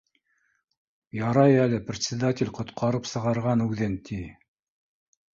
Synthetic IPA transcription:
jɑɾɑjælɘprʲɪt̪ʲsʲɪd̪at̪ʲɪlʲqŏt̪qʰɑɾɤpsɤ̆ʁɑɾʁɑnʉðɘnt̪ʰi

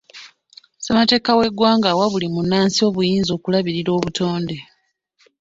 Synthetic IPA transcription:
semate̞ːkawe̞ɡwaːŋɡawaβulimunːaːnsio̞ːβujiːnzo̞ːkulaβiɾiɾo̞ːβuto̞ːnde̞

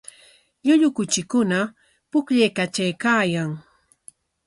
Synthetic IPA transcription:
ʎʊʎʊkʊt͡ʃɪkʊna | pʊkʎejkat͡ʃajkaːjaŋ

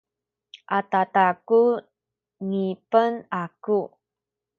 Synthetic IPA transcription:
ʔatataku | ŋipənaku

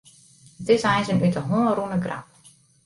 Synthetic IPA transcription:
ətɪsɛjnsənytəɦoːnrunəɡra̰p̚

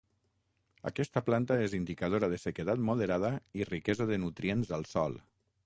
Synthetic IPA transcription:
a̰kɛst̪əplant̪aezind̪ikað̞oɾaðəsəkət̪at̪muðeɾað̞əirikɛzaðənut̪ɾienzəlˠsɔ̰lˠ

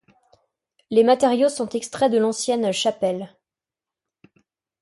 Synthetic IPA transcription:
lemat̪eʁjosɔ̃t̪ɛkst̪χɛd̪əlɑ̃sjɛnʃapɛl

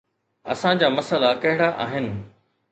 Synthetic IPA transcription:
ɐ̰sãd͡ʑaːmɐsəlakɐɦɪɽ̃aʔa̰ːɦɪnɪ̆

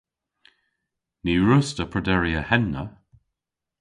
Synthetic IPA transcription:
niːɹʊstəpʰɹəd̪ɛɹiəhɛnːə̰

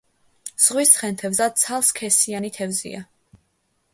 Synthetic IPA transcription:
z̥ʁwisχɛnt̪ʰɛvzad̪̚t̪sʰalˠskʰɛsianit̪ʰɛvzḭa

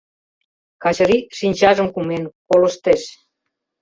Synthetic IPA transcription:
kɑt͡ɕəɾiʃinʲt͡ɕɑʒəmkumenkoləʃt̪eʃ

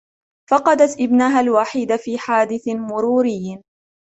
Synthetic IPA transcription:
fɑqɑd̪at̪ʔɪbnaːɦalwaħiːd̪afiːħaːd̪ɪθmʊɾuːɾɪjː

